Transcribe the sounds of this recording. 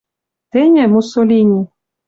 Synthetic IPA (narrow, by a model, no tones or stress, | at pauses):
t̪enʲemusolʲinʲi